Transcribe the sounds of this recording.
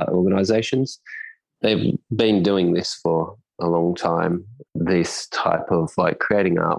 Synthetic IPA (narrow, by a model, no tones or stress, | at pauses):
ʔɔɹɡənaɪzeɪʃɨ̃nz̥ | ðeɪvbɨ̃ndʉɪ̃ŋðɪsfə˞ | əlɔ̃ŋtʰãɪ̃mðɪstʰa̰ɪpʰʌv̥laɪkʰɹ̥ieɪɾɪ̃ŋɑ̰ɹʔ